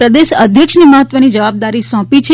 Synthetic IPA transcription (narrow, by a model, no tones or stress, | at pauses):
ɾəd̪eʃəd̪ʱjəkʃniməɦət̪ʋənid͡ʒəʋab̚d̪aɾisɔ̃pit͡ʃʰe